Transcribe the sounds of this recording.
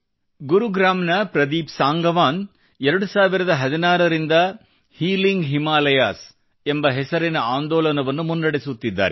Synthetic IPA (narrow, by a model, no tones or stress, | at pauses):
ɡuɾuɡɾaːmnɐpɾɐd̪iːpsaːŋɡɐʋaːn | ɛɾɐɽusaːʋiɾɐd̪ɐɦɐd̪inaːɾɐɾind̪ɐ | hiːliŋɡɦimaːlɐjaːs | embɐɦɛsɐɾinɐaːnd̪ɔːlɐnɐʋɐnːumunːɐɽesut̪ːid̪ːa̰ːɾe